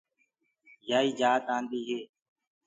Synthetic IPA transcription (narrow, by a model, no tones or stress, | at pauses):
jaːiːd͡ʒaːt̪ãːnd̪iːɦeː